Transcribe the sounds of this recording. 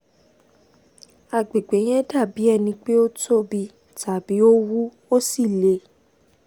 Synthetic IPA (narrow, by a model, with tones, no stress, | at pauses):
a˨ɡ͡be˨ɡ͡be˨˦j̃ɛ̃˦da˦˨bi˨˦ɛ˦˨nĩ˧k͡pe˦o˦tʰo˦bi˧ | tʰa˨bi˨˦o˦wu˦ | o˦si˦˨le˨˦